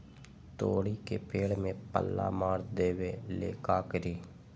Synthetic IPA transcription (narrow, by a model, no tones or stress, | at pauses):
t̪oːɽiːkepeːɽmẽːpə̰lːa̰ːmaːɾd̪eːʋeːlḛːkaːkəɾiː